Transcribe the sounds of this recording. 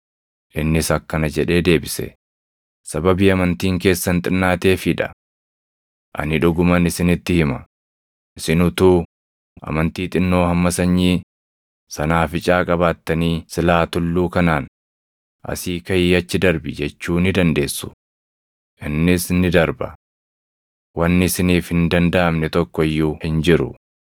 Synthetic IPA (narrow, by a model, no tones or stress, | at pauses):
ʔɪnːɪsɐkːɐnɐd͡ʒɛᶑe̞ːd̪e̞ːbɪsɛ̰ | sɐbɐbiːɐmɐnt̪iːŋke̞ːsːɐnt̪ʼɪnːaːt̪e̞ːfɪᶑɐ̰ | ʔɐ̰nɪᶑʊɡʊmɐnɪsɪnɪt̪ːɪhɪmɐ | ɪsɪnʊt̪uː | ʔɐ̰mɐnt̪iːt̪ʼɪnːo̞ːhɐmːɐsɐɲːiː | sɐnaːfɪt͡ʃʼaːkʼɐβaːt̪ːɐniːsɪlaːt̪ʊlːuːkɐnaːn | ʔɐ̰siːkɐjiːɐt͡ʃːɪd̪ɐɾbɪd͡ʒɛt͡ʃːuːnɪd̪ɐnd̪e̞ːsːʊ̥ | ʔɪnːɪsnɪd̪ɐɾbɐ̰ | wɐnːɪsɪniːfhɪnd̪ɐnd̪ɐʔɐmnɛt̪ɔkːɔɪjːuhɪnd͡ʒɪɾʊ̰